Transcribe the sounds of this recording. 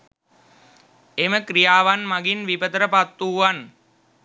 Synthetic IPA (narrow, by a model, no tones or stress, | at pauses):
eməkrijaːʋanmaɡinʋipət̪əɾəpat̪ːuːʋan